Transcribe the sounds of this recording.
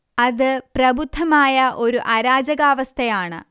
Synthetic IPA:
ɐðɨprɐbʱud̪ʱːɐmaːjɐʔo̞ɾuʔaɾaːd͡ʑɐɣaːʋɐst̪ʰɐjaːɳɨ̰

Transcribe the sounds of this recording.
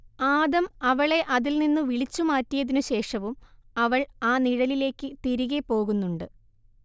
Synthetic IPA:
aːd̪ɐmɐʋɐɭe̞ʔɐðilninːɨʋiɭit͡ɕːumaːtːijɐðinuɕe̞ːʂɐʋumɐʋɐɭaːniɻɐlile̞ːkːɨt̪iɾiɣepːo̞ːɣunːuɳɖɨ

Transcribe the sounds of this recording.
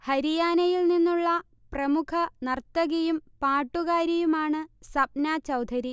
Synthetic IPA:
hɐɾijaːnɐjilninːuɭːɐ | prɐmukʰɐnɐrt̪ːɐɣɐjumpaːʈːuɣaːɾɐjumaːɳɨsɐp̚naːt͡ɕɐwd̪ʱɐɾi

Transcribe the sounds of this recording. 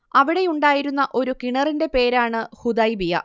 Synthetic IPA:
ɐʋiɽe̞uɳɖaːjiɾunːɐʔo̞ɾukiɳɐrinde̞pe̞ːɾaːɳɨhud̪ɐjbijɐ̰

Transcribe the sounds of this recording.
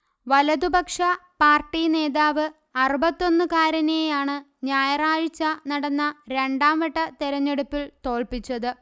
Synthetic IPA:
ʋɐlɐd̪ubɐkʂɐpaːrʈːine̞ːðaːʋɨ | ɐrubɐt̪ːo̞nːɨkaːɾɐnejaːɳɨ | ɲaːjɐraːɻit͡ɕːɐnɐɽɐnːɐɾe̞ɳɖaːmʋɐʈːɐt̪eɾɐɲːeɽupːilt̪o̞ːɭpit͡ɕːɐðɨ

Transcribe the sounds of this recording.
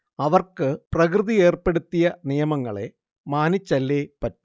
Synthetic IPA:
ɐʋɐrkɨprɐkrɨðie̞ːrpe̞ɽut̪ːijɐnijɐmɐŋːɐɭe̞̰ | maːnit͡ɕːɐlːeːpɐtːu̥

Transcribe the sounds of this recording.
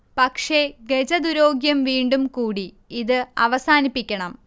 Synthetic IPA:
pɐkʂe̞ɡed͡ʑɐd̪uɾo̞ːɡjɐmʋiːɳɖumkuːɽi | iðɨɐ̰ʋɐsaːnipːikʲːɐɳɐm

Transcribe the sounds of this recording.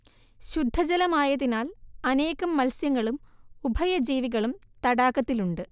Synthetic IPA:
ɕud̪ʱːɐd͡ʑɐlɐmaːjɐðinaːlɐne̞ːɣɐmːɐlsjɐŋːɐɭumubʱɐjɐd͡ʑiːʋiɣɐɭumt̪ɐɽaːkːɐt̪ːiluɳɖɨ

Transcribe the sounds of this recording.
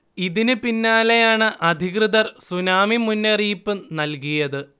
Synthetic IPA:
iðinɨpinːaːle̞jaːɳɨʔɐd̪ʱiɣrɨðɐrsunaːmimunːeriːpːɨnɐlkujɐðɨ

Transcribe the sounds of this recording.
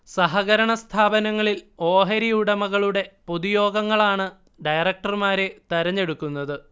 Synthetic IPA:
sɐɦɐɣɐɾɐɳɐst̪ʰaːbɐnɐŋːɐɭilo̞ːɦɐɾijuɽɐmɐɣɐɭuɽe̞poðujo̞ːɡɐŋːɐɭaːɳɨ | ɖɐjɐrɐk̚ʈɐrmaːɾet̪ɐɾɐɲːe̞ɽukːunːɐðɨ

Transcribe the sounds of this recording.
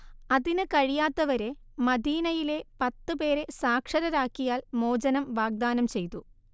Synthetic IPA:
ɐðinɨkɐɻijaːt̪ːɐʋɐɾe̞mɐd̪ʱiːnɐjile̞pɐt̪ːɨpe̞ːɾe̞saːkʂɐɾɐɾaːkːijaːlmo̞ːd͡ʑɐnɐmʋaːɡ̚d̪aːnɐmt͡ɕe̞jt̪u

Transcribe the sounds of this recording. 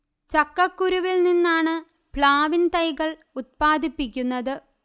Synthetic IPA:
t͡ɕɐkːɐkːuɾuʋilninːaːɳɨ | pɭaːʋint̪ɐjɣɐɭ | ut̪̚paːd̪ipːik̬ʲːunːɐðɨ

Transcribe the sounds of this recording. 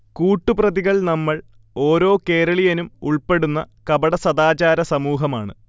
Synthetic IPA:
kuːʈːuprɐðiɣɐɭnɐmːɐɭ | o̞ːɾo̞ːke̞ːɾɐɭijɐnumuɭpe̞ɽunːɐ̰kɐbɐɽɐsɐd̪aːt͡ɕaːɾɐsɐmuːɦɐmaːɳɨ

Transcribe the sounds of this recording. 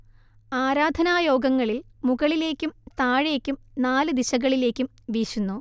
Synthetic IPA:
aːɾaːd̪ʱɐnaːjo̞ːɡɐŋːɐɭilmuɣɐɭile̞ːkʲːumt̪aːɻe̞ːkʲːumnaːlɨd̪iɕɐɣɐɭile̞ːkʲːum | ʋiːɕunːu

